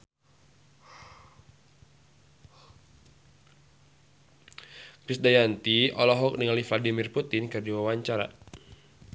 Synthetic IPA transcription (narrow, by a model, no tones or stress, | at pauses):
kɾisdajant̪iɔlɔɦɔk̚niŋalifladimirput̪ɪnkɨrdiwawaɲt͡ʃaɾa̰